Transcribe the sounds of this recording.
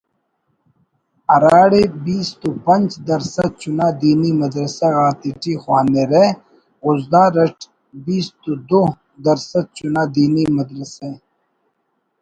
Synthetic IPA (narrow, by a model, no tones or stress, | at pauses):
ɐɾaːɽebiːst̪upɐnt͡ʃd̪ɐɾsɐd̪̚t͡ʃunaːd̪iːnimɐd̪ɾɐseɣaːt̪iʈixwaːneɾe | ʊzd̪aːɾɐʈʰ | biːst̪ud̪o | d̪ɐɾsɐd̪̚t͡ʃunaːd̪iːnimɐd̪ɾɐse